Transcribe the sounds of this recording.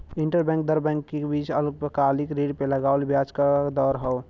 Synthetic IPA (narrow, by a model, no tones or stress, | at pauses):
ɪ̃ɳʈəɾbɛ̃ŋk̚d̪əɾbɛ̃ŋkːebit͡ʃəluk̚pəkalikɾeɖpeləɡaːlbjat͡ʃkad̪ɔːɾɦəo